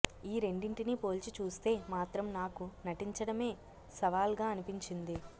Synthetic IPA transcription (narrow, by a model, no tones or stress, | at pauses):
iːɾe̞ɳɖiɳʈinipo̞ːlt͡ʃit͡ʃuːst̪e̞ːmaːt̪ɾɐmnaːkunɐʈiɲt͡ʃɐɽɐme̞ː | sɐʋaːlɡaːɐnipiɲt͡ʃind̪i